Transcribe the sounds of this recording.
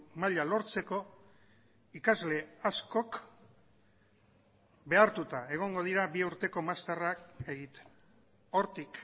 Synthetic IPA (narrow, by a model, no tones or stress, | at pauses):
maʎalo̞ɾt͡se̞ko̞ | ikazle̞asko̞k | be̞aɾt̪ut̪ae̞ɣ̞o̞ŋɡo̞ðiɾaβiuɾt̪e̞ko̞mast̪arakeɣit̪e | o̞ɾt̪ik